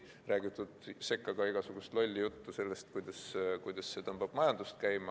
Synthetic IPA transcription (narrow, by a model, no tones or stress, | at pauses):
ræːɡ̥it̪ːˑud̪̥se̞kˑːɑɡ̥ɑiɡ̥ɑsuɡ̥ust̪lo̞lʲːijut̪ːuse̞lːe̞st̪kujd̪ɑskujd̪̥ɑsːe̞t̪ɤmb̥ɑb̥mɑjɑnd̪̥ust̪̚kæjmɑ